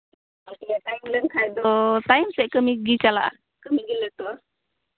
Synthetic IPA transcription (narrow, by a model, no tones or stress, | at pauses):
oket̪ajmləŋkʰajd̪t̪aimseʔkəmiɡit͡ʃala̰ʔ | kəmiɡilət̪o